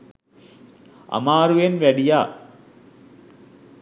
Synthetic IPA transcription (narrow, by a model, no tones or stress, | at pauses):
ʔɐ̰maːɾujenʋæɽijaː